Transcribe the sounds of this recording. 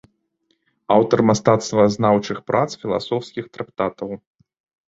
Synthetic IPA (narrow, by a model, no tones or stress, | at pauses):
awt̪ɐrmast̪at̪st̪vɐznawt͡ʂɨxpɾʔat̪sfʲilˠa̰sɔwskʲixt̪ɾak̚t̪at̪ɐw